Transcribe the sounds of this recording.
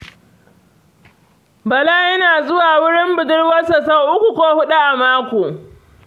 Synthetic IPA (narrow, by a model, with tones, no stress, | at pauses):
bɐ˨la˦jɐ˦naː˨zʊ˦waː˨wʊ˦ɽɪ˦mbʊ˨dʊ˦rwɐ˦sa˨sa˦˨ʔʊ˦kʷu˨kʷoː˦hʊ˦ɗu˦ʔa˨maː˦kʷoː˨